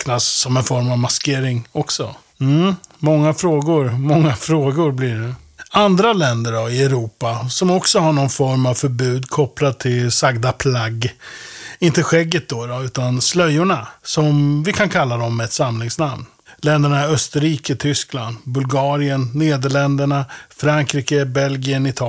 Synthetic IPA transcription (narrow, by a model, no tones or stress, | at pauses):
knasːɔmɛnfɔɾmavmaskeːɾɪŋɔksɔ̰ | m̩ːmɔŋːafɾoːɡʊɾmɔŋːafɾoːɡʊɾblɪɾɛ | and̪ɾalɛnd̪əɾɖɔɪɛɾuːpasɔmɔksɔɦaɳɔnfɔɾmavfœɾbʉ̟ːd̪kʰɔplad̪̚t̪ʰːɪlsaɡd̪apʰlaɡː | ɪnt̪əɧɛɡːət̪̚d̪ɔɾɔʉ̟ːt̪anslœjːʊɳasɔmvɪkʰankʰalːad̪ɔmːɛɛt̪samlɪŋsnamn | lɛnd̪əɳaœst̪əɾiːkət̪ʰʏskla̰nd̪bɵlɡɑːɾɪənːeːd̪əɭɛnd̪əɳafɾaŋkɾiːkəbɛlɡɪənɪt̪ʰɑː